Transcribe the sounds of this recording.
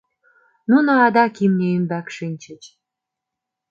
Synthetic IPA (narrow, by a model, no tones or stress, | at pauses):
nunoɑd̪ɑkimnʲeymbækʃinʲt͡ɕə̆t͡ɕ